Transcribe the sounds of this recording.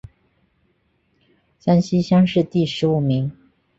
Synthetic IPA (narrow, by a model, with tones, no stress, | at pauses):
ɕja˥nɕi˥ɕjɑ˥ŋʂɻ̩˥˧t̪i˥˩ʂɻ̩˧˥u˨˩mi˧˥ŋ